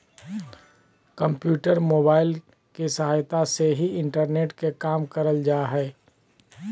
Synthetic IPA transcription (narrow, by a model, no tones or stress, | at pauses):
kə̃mpjuːʈəɾmoːbaːɪl | kesəɦaːjt̪aseɦiɪ̃ɳʈəɾneːʈkekaːmkəɾəld͡ʒaːɦɛː